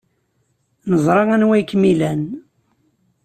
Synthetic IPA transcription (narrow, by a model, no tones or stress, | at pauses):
nəzˤɾˤɑʁænwæjkːmilæn